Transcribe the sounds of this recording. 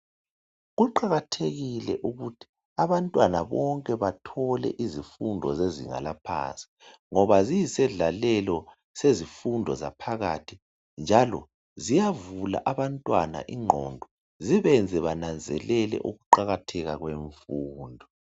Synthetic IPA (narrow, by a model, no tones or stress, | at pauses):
ɣuǃaɣatʰeɣilɛʔuɣutʰi̥ | aβantʼwanaβɔŋkʼɛβatʰɔlɛ̰ʔizifundʱɔ̰zeziŋa̰lapʰa̰nt͡sʼi̥ | ŋɔβazijisɛɮalɛlɔ | sezifundʱɔza̰pʰaɣa̰tʰi | nd͡ʒʱalɔ̰ | zijavula̰ʔaβantʼwana̰ʔiŋ͡ǃʱɔndʱɔ | ziβɛnd͡zʱɛβanand͡zʱɛ̰lɛlɛ̰ʔuɣuǃaɣatʰɛɣaɣweɱfuːndʱɔ